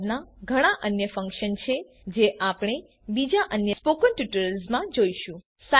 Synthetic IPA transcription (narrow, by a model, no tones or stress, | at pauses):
naɡʱəɽ̃aʔənjəfə̃ŋkʃənt͡ʃʰe | d͡ʒeʔapɽ̃e | bid͡ʒaʔənjəspokənʈuʈəɾəlsmãd͡ʒoiʃũ | sa